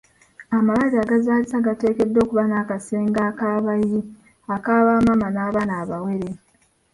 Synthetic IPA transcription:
amaβaɾiaɡazaːlisaɡate̞ːke̞dːo̞ːkuβanakase̞ːŋɡaːkaːβaji | akaːβaːmamanaːβanaːβawe̞ɾe

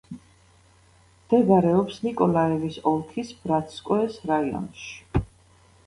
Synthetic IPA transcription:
md̪̥ɛɡaɾɛɔpsnikʼɔlaɛvisɔlˠkʰisb̥ɾat̪ʰskʼɔɛsɾaiɔ̰nʃi̥

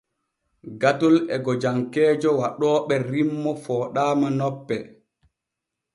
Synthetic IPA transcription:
ɡatulɛɡɔd͡ʒaŋkɛːd͡ʒɔwaɗɔːɓɛɾimːɔfɔːɗaːmanɔpːɛ

